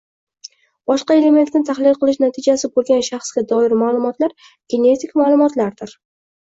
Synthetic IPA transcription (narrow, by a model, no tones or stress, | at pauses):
bɒʃqɑe̞le̞met̪ːant̪ʰaχlɪlˠqʰɨlˠɪʃnat̪ʰɪd͡ʒasɪbolˠɡʲanʃaχsɡʲad̪ɒɪɾmalˠʊmɒt̪laɾ | ɡ̥ʲe̞ne̞t̪ʰɪkʲmalˠʊmɒt̪laɾd̪ɪɾ